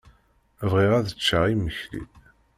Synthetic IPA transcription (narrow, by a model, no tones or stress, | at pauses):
vʁiʁæðət͡ʃːəʁiməçlḭ